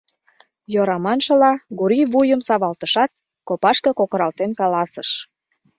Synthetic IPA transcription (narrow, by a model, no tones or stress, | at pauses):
joɾɑmɑnʃɤ̆lɑɡuɾiβujəmsɑβɑlt̪əʃɑt̪̚ | kopɑʃkɤ̆kokəɾɑlt̪enkɑlɑsəʃ